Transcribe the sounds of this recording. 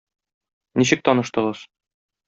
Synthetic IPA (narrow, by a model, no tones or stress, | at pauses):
niɕɘk̚t̪ɒnɤ̆ʃt̪ɤ̆ʁɤz̥